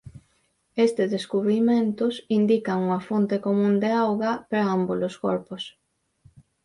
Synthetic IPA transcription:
est̪ɪzðeskuβɾimẽnt̪ʊsind̪ikɐŋuŋɐfont̪ekomũnd̪eawɣɐpeɾaamboloskɔɾpos

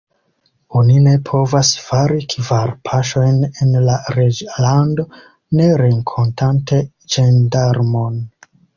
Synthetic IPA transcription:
onine̞pʰo̞vasfaɾikvaɾpʰaʃo̞jnenlaɾed͡ʒlando̞ | ne̞ɾe̞ŋkʰo̞ntʰante̞ | d͡ʒendaɾmo̞n

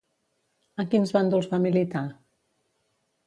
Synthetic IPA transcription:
əkinzβand̪ulˠzβamilit̪a

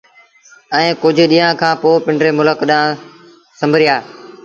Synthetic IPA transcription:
ɛ̃ːkʊd͡ʑʱɗiːãːkʰãːpoːpɪ̃ɳɖɾeːmʊləkɗãː | sə̃mbʱəɾɪjaː

